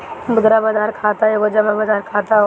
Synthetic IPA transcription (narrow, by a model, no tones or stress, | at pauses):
bʊd̪ɾabad͡ʒaːɾkʰaːt̪aeɡod͡ʒamabad͡ʒaːɾkʰaːt̪a